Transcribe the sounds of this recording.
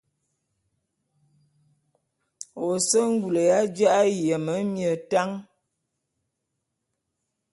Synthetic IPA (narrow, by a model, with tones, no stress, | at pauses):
o˨sə˦ŋ̩˦ɡu˨lə˨ja˦d͡ʒa˦ʔa˦jjə˨mə˨˦mjə˨ta˦ŋ